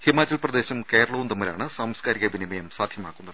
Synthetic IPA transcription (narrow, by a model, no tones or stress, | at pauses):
himaːt͡ɕːɐlprɐd̪e̞ːɕɐmkeːɾɐɭɐʋund̪ɐmːɐɾa̰ːɳɨsaːmskaːɾiɣɐbʱinimɐjɐmsaːd̪ʱjɐmaːkːunːɐðɨɨ